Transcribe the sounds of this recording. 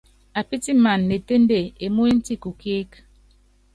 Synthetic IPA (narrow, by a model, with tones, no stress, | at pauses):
a˨pi˦ti˦ma˨nːe˨te˦nde˦˨e˨mu˦i˦n̩˦ti˦˨ku˨ki˦k